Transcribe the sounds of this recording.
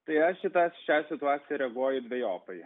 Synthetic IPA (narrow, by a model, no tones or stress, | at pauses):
t̪ɐɪɐʃʃʲɪt̪ɑʃʲɛːsʲɪt̪ʊɑːt̪sʲɪjɛɾʲɛɡuɔjʊd̪ʲʋʲɛjoːpɐɪ